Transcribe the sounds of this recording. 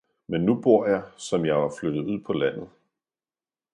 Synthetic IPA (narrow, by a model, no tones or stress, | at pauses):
menːub̥o̝ɐ̰jɑ̈ɪsɒ̽mjɑ̈ɪʋɑ̈flød̥ð̩ˠuð̰ˠpʰɒ̽læn̰ð̩ˠ